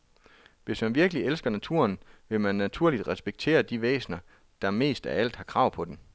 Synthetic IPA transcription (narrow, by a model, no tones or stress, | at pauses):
ʋe̝smænʋiɐɡ̥əlielsɡ̥ɐnæt͡sʰṵɐnʋe̝mænːæt͡sʰuɐlid̥ʁɛsb̥eɡ̥̚t͡sʰe̝̰ːɐd̥iʋḛːsnɐ | d̥ɑ̈me̝̰ːsd̥æɐæl̰d̥hɑ̈kʰʁɑ̈ʊ̰pʰɒ̽d̥em